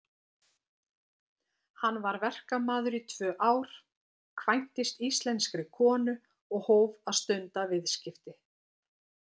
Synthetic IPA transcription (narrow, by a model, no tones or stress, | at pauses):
hanːvaɾvɛr̥kamaːðʏɾit̪ʰvœːʔaːwɾ̥ | kʰvajn̥t̪ɪst̪ist̪lɛnskɾɪkʰɔːnʏ | ɔɣhoːwvaðst̪ʏnt̪avɪðscɪft̪ɪ